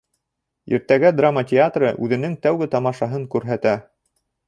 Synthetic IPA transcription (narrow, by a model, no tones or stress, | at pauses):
ḭɾt̪æɡæd̪ramətʲeat̪rɤ̰ʔʉðɘ̆nɘŋt̪æwɡɘt̪ɑmɑʃɑɦɤŋkʉɾɦæt̪æ